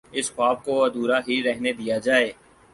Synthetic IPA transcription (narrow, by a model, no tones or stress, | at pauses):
ɪsxʊaːb̚koɐd̪uːɾaɦiɾɛɦned̪ijad͡ʒaːeː